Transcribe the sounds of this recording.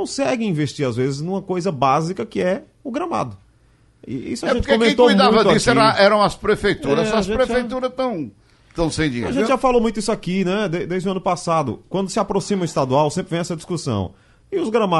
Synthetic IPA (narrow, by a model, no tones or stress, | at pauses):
kõw̃sɛɡɪ̃ĩveʃt͡ʃiɾazvezɪznũmɐkojzɐbazikɐkɪɛ | ʊɡɾɐma̰d̪ʊ | ḭḭsʊapẽtʊt͡ʃkkõmẽt̪okujmd̪uãvɐd̪ʊisɛɾɐ̃ɛɾɐ̃w̃ɐspɾefejt̪uɾɐɔɐsʒẽpɾeejt̪uɾɐst̪ɐ̃w̃ | t̪ɐ̃w̃sẽj̃d͡ʒiḛaʒɾẽɪʒafalomũj̃t̪ʊisʊakinɛd̪ed̪ejzd͡ʒɪʊɐ̃nʊpasad̪ʊ̰kwɐ̃nd̪ʊsɪapɾosĩmɐist̪ad̪uawsẽpɾɪvẽj̃ɛsɐd͡ʒ̪iskusɐ̰̃w̃ | ɪʊzɡɾɐma